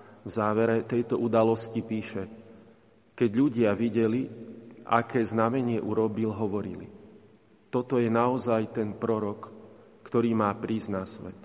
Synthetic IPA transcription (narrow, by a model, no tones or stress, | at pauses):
vzaːʋɛɾɛt̪ɛjt̪ɔʔud̪alɔscipiːʃɛ | kɛɟʎuɟɪaʋiɟɛliʔa̰kɛːznamɛɲɪɛʔuɾɔbilɦɔʋɔɾḭlḭ | t̪ɔt̪ɔjɛnaɔzajt̪ɛnpɾɔɾɔkː | t̪ɔɾiːmaːpɾiːznasʋɛ̰t̪